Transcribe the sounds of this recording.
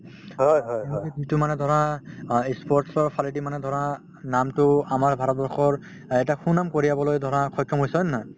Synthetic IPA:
ɦɔjɦɔjɔjizitʊmanɛdʱɔɹaispɔɹtsɔɹpʰalidimanɛdʱɔɹa | namtʊamaɹbʱaɹɔt̚bɔɹxʰɔɹ | ɛtaxunːamkoɹiabɔlojdʱɔɹakʰɔjkʰːɔmɦojsɔnːa

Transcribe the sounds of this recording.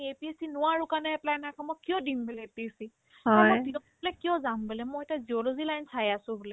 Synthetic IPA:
iepiesinʊwaɹukanɛplajnakʰɔmɔjkijɔdimbɛlɛepiesi | ɔamjɔdiɔɔblɛkijɔzambelɛmɔjɛtaziɔlozilajnsajasʊ̃bulɛ

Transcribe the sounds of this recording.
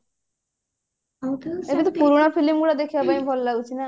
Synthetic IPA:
ebit̪opuɾuɽ̃apʰilimɡuɽad̪ekʰibapaĩbʱɔllaut͡ʃʰina

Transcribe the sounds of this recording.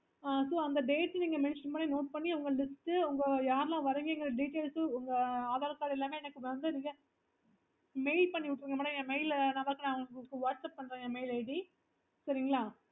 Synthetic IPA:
aːsoːɐnd̪ɐɖeːʈːniːŋɡɐmɛnɪʃnmaːɽinoːʈ̚pɐɳːiɐʋɐŋɡɐlɪsʈɯʊŋɡɐjaːɾlãːʋɐɾɯŋɡɐɪŋɡɪɾɐɖiːʈeːlsʊŋɡɐaːðaːɾɐkːaːɾɪlːaːmeːɛnɐkːɯʋɐnd̪ɯniːŋɡɐ | meɪlpɐɳːiʋɪʈːɪɾiŋɡɐmaːʈɐɛnɐmeɪlnaːpaːkɐnãːɐʋɐŋɡɐɡɐɭɯkːɯʋaːʈsɐpːɐɳːɾeːŋɡɐmeɪleɖi | sɐɾɪŋɡɐɭaː

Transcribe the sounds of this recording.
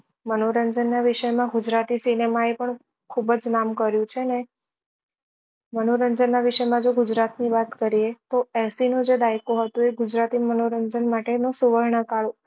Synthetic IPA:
mənoɾəɲd͡ʒənːaʋiʃəjmãɡʊd͡ʒɾat̪isinemaepəɳ | kʰubəd͡ʒnamkəɾjũt͡ʃʰene | mənoɾəɲd͡ʒənːaʋiʃəjmãd͡ʒoɡʊd͡ʒɾat̪niʋat̪kəɾiet̪oɛsinũd͡ʒed̪aikõɦət̪ũeɡʊd͡ʒɾat̪imənoɾəɲd͡ʒənmaʈenũsuʋəɾɳəkaɭo

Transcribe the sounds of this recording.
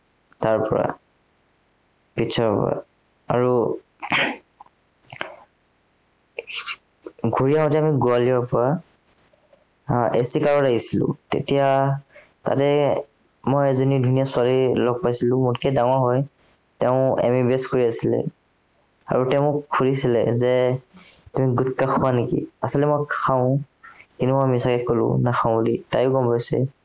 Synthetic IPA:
taɹpɔ̰ɹa̰ | pitʰɔɹpɔ̰ɹa̰ | a̰ɹu | ɡʱuɹiaɦɔ̃tɛamiɡualiɔɹpɔɹa | esikaɹɔɹaɡisilʊ̰̃tḛtija | ta̰tɛ | mɔjɛzɔnidʱunijasʊalilɔɡ̚pajsilʊ̃mʊtkɛdaŋaɦɔj | tɛʊ̃ḛmibeskoɹiasilɛ̰ | a̰ɹutɛʊ̃kʰulisilɛzɛ | tumiɡutkaxʰʊwanekḭasɔlɛmɔjkxʰaʊ̃ | kintumɔjamisakɛkolʊ̰̃naxʰãʊ̃litajʊɡɔmpajsɛ̰

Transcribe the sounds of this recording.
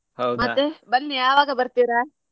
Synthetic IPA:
ɦɐwmɐt̪ːebɐnːijaːʋaːɡɐbɐɾt̪iːɾa

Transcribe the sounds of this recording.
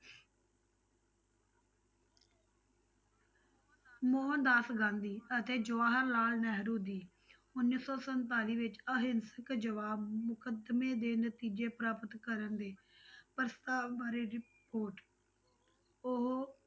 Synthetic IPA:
moːɦənd̪aːsɡãːnd̪iːət̪eːd͡ʒʊʋaːɦəɾlaːlnɛɦəɾɦũːd̪iː | ʊnːiːsɔːsənt̪aːliːʋɪt͡ʃəɦɪnsəkd͡ʒəʋaːbmʊkəd̪mẽːd̪eːnət̪iːd͡ʒeːpɾaːpət̪kəɾənd̪eː | pəɾst̪aːbaːɾeɾɪpoːɾʈ | ʊɦ

